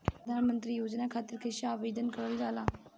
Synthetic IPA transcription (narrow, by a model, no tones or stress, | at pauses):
ɾəd̪ʱaːnmənt̪ɾiːjoːd͡ʒnakʰaːt̪ɪɾkʰeʃaaːʋeːd̪ənkəɾəld͡ʒaːlaː